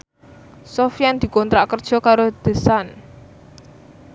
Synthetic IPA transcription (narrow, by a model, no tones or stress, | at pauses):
sofijand̪̥i̤kɔnt̪ɾaʔkərd̥ʒ̥ɔ̤kaɾod̪̥ə̤san